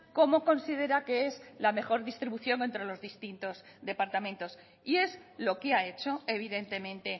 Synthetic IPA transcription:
ko̞mo̞ko̞nsið̞e̞ɾakeezlame̞xo̞ɾðist̪ɾiβuθjo̞ŋe̞nt̪ɾe̞lo̞zðist̪int̪o̞z | d̪e̞paɾt̪amẽ̞nt̪o̞s | ie̞zlo̞keae̞t͡ʃo̞e̞β̞iðe̞nt̪e̞mẽ̞nt̪e̞

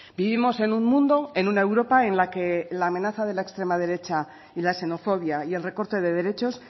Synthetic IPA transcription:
biβimo̞se̞nummũnd̪o̞enunae̞wɾo̞pae̞nlake̞laːmẽ̞naθaðe̞laekst̪ɾe̞maðe̞ɾe̞t͡ʃa | ilaese̞no̞fo̞βjaie̞lre̞ko̞ɾt̪e̞ðe̞ð̞e̞ɾe̞t͡ʃo̞s

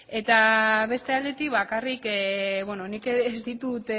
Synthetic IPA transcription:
e̞t̪aβe̞st̪e̞ald̪et̪ikβakarikeβweno̞nikeezd̪it̪ut̪

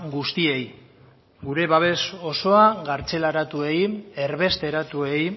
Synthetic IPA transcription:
ɡust̪ie̞j | ɡuɾe̞βaβ̞e̞so̞so̞aɣaɾt͡se̞laɾat̪ue̞je̞ɾβe̞st̪e̞ɾat̪ue̞j

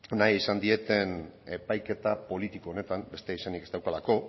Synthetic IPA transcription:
najisand̪ie̞t̪e̞ne̞pajke̞t̪apo̞lit̪ikoːne̞t̪ambe̞st̪eisenike̞st̪awkalako̞

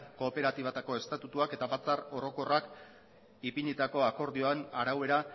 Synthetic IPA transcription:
ko̞ːpe̞ɾat̪iβat̪ako̞e̞st̪at̪ut̪uake̞t̪aβat͡saro̞ɾo̞ko̞rak | ipiɲit̪ako̞ako̞ɾðio̞anaɾawe̞ɾa

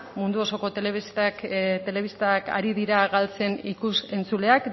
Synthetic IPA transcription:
mund̪uo̞so̞ko̞t̪e̞le̞βist̪akt̪e̞le̞β̞ist̪aka̰ɾiðiɾaɣalt͡se̞nikuse̞nt͡sule̞ak

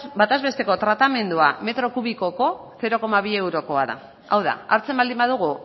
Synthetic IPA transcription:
bat̪ezβe̞st̪e̞ko̞t̪ɾat̪ame̞nd̪uame̞t̪ɾo̞kuβiko̞ko̞ | θe̞ɾo̞ko̞maβ̞ie̞wɾo̞ko̞aða̰ | awða̰aɾt͡se̞mbald̪imbaðuɣ̞u

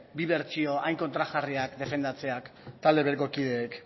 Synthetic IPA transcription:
biβe̞ɾt͡ʃio̞ʔajŋko̞nt̪ɾaɣariakd̪e̞fe̞nd̪at͡se̞akt̪ald̪e̞βeko̞kið̞e̞ːk

